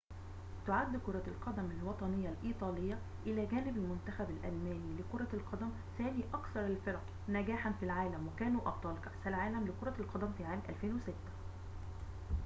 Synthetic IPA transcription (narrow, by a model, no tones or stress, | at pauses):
t̪ʊʕad̪ːkʊɾˤɑlqɑd̪æmɪlwɑt̪ˤɑnejːɑlʔiːt̪ˤɑːlɪjːɑ | ʔɪlæːɡæːnɪbælmʊnt̪æxæbɪlʔælmæːniːlɪkoɾˤɑlqʰɑd̪æm | θæːniːʔɑkθɑɾˤɪlfeɾˤɑq | næɡæːħanfilʕaːlæmwɪkæːnuːʔɑb̚t̪ˤɑːlkaħsælʕaːlæmlɪkoɾˤɑlqɑd̪æmfiːʕaːmʔæ̰lfeːnweset̪ːæ̥